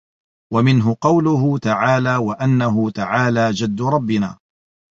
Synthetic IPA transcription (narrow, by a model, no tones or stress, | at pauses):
wamɪnɦʊqɑwlʊɦʊt̪aʕaːlaːwaʔanːaɦʊt̪aʕaːlaːd͡ʒad̪ːʊɾˤɑbːɪna̰ː